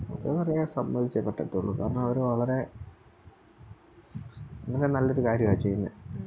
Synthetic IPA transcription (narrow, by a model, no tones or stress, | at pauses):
ɐk̪ːeɐrɐjsɐmbɐðit͡ɕːɐpːeʈːɐt̪ːoɭːṵka̰ːɾɐɳɐmɐʋɐɾuʋɐɭɐɾe̞ | enɐkːenɐlːoɾukaːɾjɐmaːjt͡ɕe̞jːunːɐð